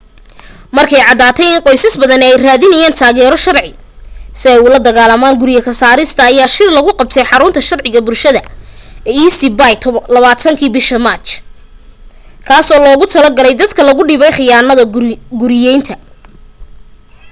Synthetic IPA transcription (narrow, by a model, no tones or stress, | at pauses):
mɐrkʰɛjʕɑd̪aːt̪ʰɛjɪŋqɔjsɐsbɐðɐnɛɛjraːðɪnɐjaːnt̪ʰaːɣɛːɾɔʃɐrʕɪ | sɪɛjʊlɐd̪ɐɣaːlɐmaːŋɡʊɾɪjɐkʰɐsaːɾɪst̪ʰɐːjaːʃɪrlɐɣʊqɑb̚t̪ʰɛjħɑɾʊnt̪ʰɐʃɐrʕɪɣɐbʊlʃɐðɐɛiːsibajt̪ʰβɐlɐβaːt̪ʰɐŋkʰiːbɪʃɐmaːt͡ʃ | kʰaːsɔːlɔːɣʊt̪ʰɐlɐrɡɐlɛjd̪ɐd̪kʰɐlɐɣʊɖɪːβɛjχɪjaːnɐðɐɡʊɾɪjɛjnt̪ʰɐ